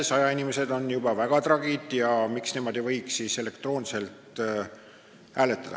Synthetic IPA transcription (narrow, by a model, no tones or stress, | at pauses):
esɑjɑinime̞se̞d̪o̞njub̥ɑvæɡ̥ɑt̪rɑɡid̪̥jɑmiksnimo̞d̪̥ivɤjksiːse̞le̞kt̪ro̞ːnse̞lt̪ˑ | æːle̞t̪ːˑɑd̪̥ɑ̰